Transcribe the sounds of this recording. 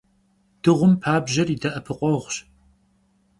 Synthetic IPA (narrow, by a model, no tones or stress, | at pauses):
d̥ɨʁʷʊmpʰaːbʑɐridɐʔɐpʰɨqʷʼɔʁʷɕ